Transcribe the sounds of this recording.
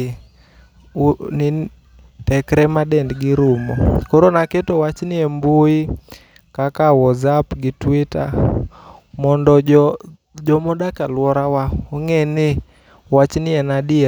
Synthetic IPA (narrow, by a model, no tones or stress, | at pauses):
nɪ | tɛkɾɛmadɛndɡɪɾʊmɔkɔɾonaketowat͡ʃnɪɛmboi | kakawɔzapɡɪtwita̰ | mɔndɔ | d͡ʒɔmɔdakalwɔɾawaɔŋɛnɪ | wat͡ʃnɪɛnadɪ